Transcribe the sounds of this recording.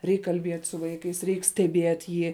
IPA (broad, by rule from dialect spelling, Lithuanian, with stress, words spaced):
ˈrʲɛɪk kɐlʲˈbʲiɛtʲ sʊ ˈʋɐɪkɐɪs ˈrʲɛɪk sʲtʲɛˈbʲiɛtʲ ˈjiː